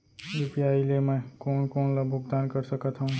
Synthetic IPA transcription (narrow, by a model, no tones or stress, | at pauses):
jupijaːilemɛ̃koːnkoːnlabʱʊɡd̪aːnkəɾsəkət̪ɦaũ